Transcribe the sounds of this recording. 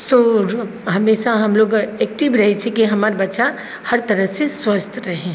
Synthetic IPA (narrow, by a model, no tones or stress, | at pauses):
so | ɦɐmeːʃaɦɐmloːɡeːk̚ʈibɾɐɦet͡ʃʰɛkiɦɐmaːɾbɐtːʃa | hɐɾt̪ɐɾəseswət͡ʃt̪ʰɾɐɦẽː